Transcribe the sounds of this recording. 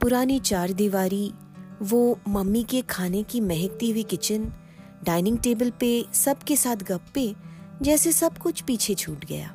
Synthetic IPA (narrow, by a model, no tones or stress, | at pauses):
pʊɾaːnit͡ʃaːɾd̪iʋaːɾi | ʋomɐmːikekʰaːnekimɛɦɪk̚t̪iɦʊikɪt͡ʃən | ɖaːɪnɪ̃ŋɡʈeːbəlpesɐbkesaːt̪ʰɡɐpːẽd͡ʒɛːsesɐbkʊt͡ʃʰpiːt͡ʃʰet͡ʃʰuːʈɡɐ̰ja̰ː